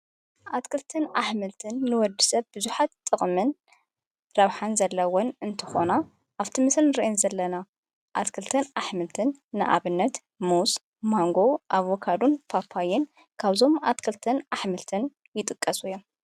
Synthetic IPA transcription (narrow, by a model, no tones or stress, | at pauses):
ʔat̪kʰɨlt̪ʰɨnaħmɨlt̪ʰɨnːɨwɔd̪ɨsɐβbɨzuħat̪ʼːɨχʼmɨn | ɾɐβħanzɐlːɐwɔnɨnt̪ʰɨ̥xo̞na | ʔaβt̪ʰɨmɨsɨnɾiʔnzɐlːɐna | ʔat̪kʰɨlt̪ʰɐnaħmɨlt̪ʰɨnːɨ̰ʔa̰βɨnːɐt̪ | mus | maŋɡo̞ʔaβokʰad̪unfʰapʰːajɪn | kʰaβzo̞mat̪kʰɨlt̪ʰɐnaħmɨlt̪ʰɨn | jɪt̪ʼɨkʼːɐsujom